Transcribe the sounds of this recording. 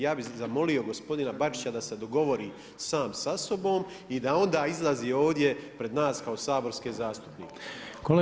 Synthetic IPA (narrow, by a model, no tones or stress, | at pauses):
jaːbizamo̞lio̞ɡo̞spo̞d̪inabat͡ʃi̥t͡ɕad̪ase̞d̪o̞ɡo̞ʋo̞ɾiː | saːmsaso̞bo̞ːm | id̪ao̞nd̪aːizlˠaziːo̞ːʋd̪je̞pɾe̞d̪naːskaosaːbo̞ɾskeːzaːst̪u̥pnḭːkekol